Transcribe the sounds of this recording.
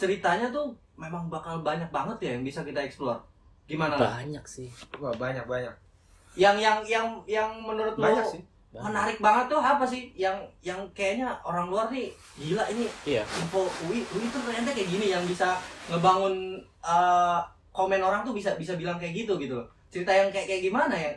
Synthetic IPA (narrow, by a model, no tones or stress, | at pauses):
t͡ʃəɾit̪aɲat̪̬u | memaŋbakalbaɲak̚baŋət̪jajaŋbisakit̪aɛksplua̰r | ɡimanaa̰ɲak̚sɪhuŋabaɲak̚baɲa̰k̚ | jaŋjaŋjaŋjaŋmənuɾʊt̪̚maasɪ | mənaɾɪk̚baŋət̪ːuɦapas̬ɪhjaŋjaŋkajaɲaoɾaŋluarni | d͡ʒilaʔiniasimfouiuit̪ərt̪ərɲant̪̬akajaʔɡinijaŋbisaŋəbaŋʊn | ə | komɛnoɾaŋt̪ʊbisabisabilaŋkajaʔɡit̪̬uɡit̪ul | t͡ʃəɾit̪ajaŋkajaʔkajaʔɡimanajaŋ